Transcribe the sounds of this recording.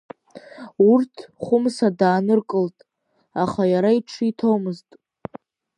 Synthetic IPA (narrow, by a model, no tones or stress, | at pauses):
urtʰχʷʊmsadaːnɨrkʼɨltʼ | aχajaɾaiʈ͡ʂʰitʰowmɨztʼ